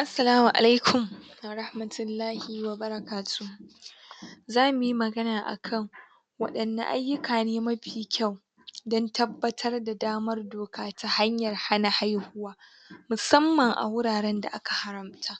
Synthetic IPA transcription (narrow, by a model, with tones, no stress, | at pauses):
ʔa˦sːɐ˨laː˦mu˨ʔa̰˨la˦jkʰʷʊ˨m˨ɾa˦hmɐ˨tʰʊ˨lːaː˦hi˦wɐ˨bɐ˦ɾɐ˦kaː˨tʰu˦ | zaː˦mʊ˨ji˦mɐ˨ɡɐ˦naː˨ʔa̰˨kʰɐ˦˨ŋ | wɐ̰˦ɗɐ˨nːa̰˨ʔa̰˦jːʊ˦kaː˨neː˦mɐ˦ɸiː˨kʲa˦˨w | dɔ˦ntʰɐ˦bːɐ˦tʰɐ˦rda˨daː˦mɐ˦rdoː˨kaː˦tʰa˨ha˦ɲjɐ˨rha˦na˨ha˦jhʊ˦waː˦ | mʊ˨sɐ˦mːɐ˨ŋʔa̰˨wʊ˦ɽaː˨ɽɛ˦nda̰˨ʔa˦ka˨ha˨ɾɐ˨mtʰa˦